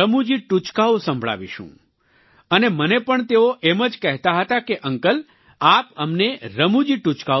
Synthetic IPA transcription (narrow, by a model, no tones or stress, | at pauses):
əmud͡ʒiʈut͡ʃkaosə̃mbʱɭa̰ʋḭʃṵ̃ | ənemənepəɳt̪eoʔeməd͡ʒkɛɦt̪aɦət̪akeʔəŋkəl | apəmneɾəmud͡ʒiʈut͡ʃka